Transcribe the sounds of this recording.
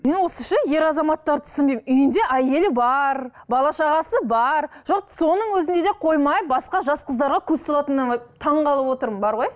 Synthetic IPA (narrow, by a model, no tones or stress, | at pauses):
me̞nwo̞səʃɑje̞ɾɑzɑmɑt̪ːɑɾt̪ʰʏ̥sɪnbe̞jmmʏjɪnd̪e̞ʔæje̞lɪbɑɾbɑlˠɑʃɑʁɑsəbɑɾʒoq̚so̞nəɴwɵzɪnd̪e̞d̪e̞qʰo̞jmɑjbɑsqɑʒɑsqəzd̪ɑɾʁɑkʲʰɵzt̪olˠɑt̪ənːɑmɑjt̪ʰɑɴʁɑlˠəpwo̞t̪əɾmənbɑɾʁo̞j